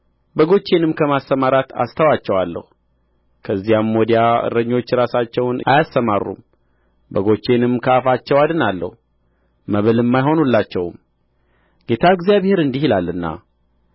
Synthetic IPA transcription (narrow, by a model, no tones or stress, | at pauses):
bəɡo̞t͡ʃːe̞nɨmkʰəmasːəmaɾat̪a̰st̪ʰəwat͡ʃːɛwalːə̰hu | kʰəzːijamːod̪ijaɨ̰ɾəɲːo̞t͡ʃːɾasat͡ʃːɛwna̰jasːəmarːṵm | bəɡo̞t͡ʃːe̞nɨmkʰəafat͡ʃːɛwad̪ɨnalːə̰hu | məβɨlɨmːajɦo̞nulːat͡ʃːɛwm | ɡ̥e̞t̪ʰaɡzjaβhe̞ɾɨnd̪ihilalːɨnːa̰